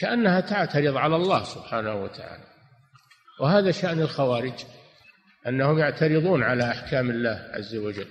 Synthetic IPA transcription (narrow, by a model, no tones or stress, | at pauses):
kaʔanːahat̪aʕt̪aɾɨðˤʕalalˤːɑːhsʊbħaːnahuwa̰t̪ʰaʕa̰ːla | wɪhaːðaʃaʔnɪlxawaːɾɪd͡ʒ | ʔanːahʊmjaʕt̪aɾɪðˤuːnʕalaʔaħkaːmɪlːaːhʕa̰zːawad͡ʒalː